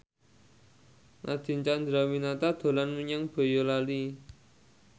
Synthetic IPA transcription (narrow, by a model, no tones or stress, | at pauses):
nʔa̰d̪̥i̤nt͡ʃand̪ɾawinat̪ad̪̥o̤lanməɲaŋpə̤jolali